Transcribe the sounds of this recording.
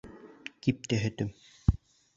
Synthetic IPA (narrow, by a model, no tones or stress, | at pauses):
kip̚t̪æɦɘ̆t̪ɘm